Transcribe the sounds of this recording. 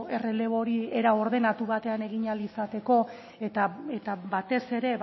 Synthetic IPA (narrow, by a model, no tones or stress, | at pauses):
erele̞βo̞ɾieɾao̞ɾðe̞nat̪uβat̪e̞ane̞ɣ̞iɲalisat̪e̞ko̞ | et̪aet̪aβat̪e̞se̞ɾe̞β